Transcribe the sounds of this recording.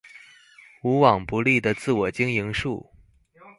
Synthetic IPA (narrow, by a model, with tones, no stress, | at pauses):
u˧˥wɑ˨˩ŋpu˧˥li˥˩d̪ə˩t͡sɹ̩˥˩wɔ˨˩t͡ɕi˥ŋi˧˥ŋʂu˥˩